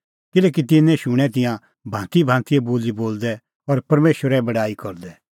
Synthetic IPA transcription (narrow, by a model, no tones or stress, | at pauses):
kɪlɛːk̬it̪ɪnːɛ̃ʃʊɽ̃ɛ̃t̪̬ɪ̃jã | bʱãːt̪ibʱãːnt̪ʰiɛboːliboːld̪ɛ | ɔɾpɐɾmeːʃəɾɛbɐɽaːikɔɾd̪ɛ